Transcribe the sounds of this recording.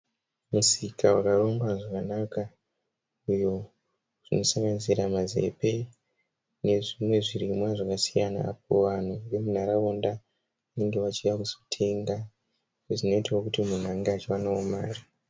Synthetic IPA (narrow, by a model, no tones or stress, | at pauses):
musikawakaro̞ŋɡaʐakanaka | ujo | ʐ̥ino̞saŋɡanziɾamaze̞̰pe̞ | ne̞ʐimwe̞ʐirimwaʐakasijana̰ːp̚oʋan̤uʋe̞mun̤aɾaonda | ane̞ŋɡe̞ʋat͡ʃiʋakusotʰeŋɡa | eʐino̞itawokutimun̤aŋɡeat͡ʃiwanaomaːri